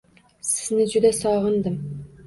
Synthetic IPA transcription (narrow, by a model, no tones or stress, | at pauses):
sɪ̥znɪd͡ʒud̪ɛsɑʁɤnd̪ɨm